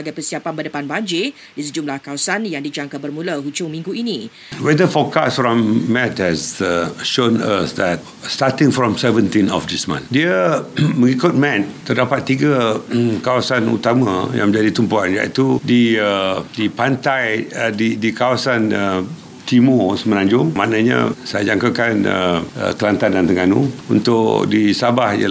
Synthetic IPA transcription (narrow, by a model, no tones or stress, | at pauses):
aɡajpəsiapanbədəpanbaɲd͡ʒi | disəd͡ʒumlahkawasanjaŋdid͡ʒaŋkabərmũləhut͡ʃʊŋmĩŋɡuinĩ | wɛdəfɔkasfɹɔ̃mːɛt̚hɛsʃõna̰sdɛt̚ | statĩŋfɹɔ̃msɛvə̃ntĩnɔ̰fdismã̰ndiəməŋikʊt̚mɛt̚t̪ədapat̪ːiɡəkawasanṵt̪amã̰jã̰ŋmə̃ɲd͡ʒadit̪umpuanja̰ʔḭt̪udiədipant̪ajdidikawasanə | t̪imosəmənaɲd͡ʒʊŋmanaɲã̰sajad͡ʒaŋkakanə̰ə̰kəlant̪andant̪əŋanṵṵnt̪ʊʔdisabahjə̰